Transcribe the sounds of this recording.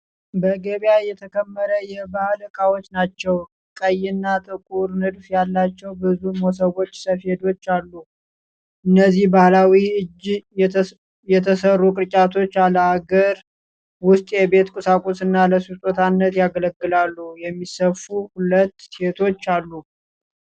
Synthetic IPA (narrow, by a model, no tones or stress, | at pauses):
bəɡəβjajɛt̪ʰəkʰəmːəɾəjɛbahlkʼawot͡ʃːnat͡ʃːɛw | kʼəjɪnːat̪ʼɨkʼuɾnɨd̪fjalːat͡ʃːɛwbɨzumo̞s̬əwo̞t͡ʃːsəfhe̞d̪o̞t͡ʃːalːu | ʔɨnːəzːihbahlawiɨd͡ʒ | jɛt̪ʰəsərːukʼɨɾt͡ʃʼat̪ʰo̞t͡ʃːaləaɡəɾ | wʊst̪ʼjɛbe̞t̪kʼɨsakʼosɨnːaləsut̪ʼot̪ʰanːət̪jaɡələɡːɨlalːujɛmːisəfuhulət̪ːe̞t̪ʰo̞t͡ʃːalːu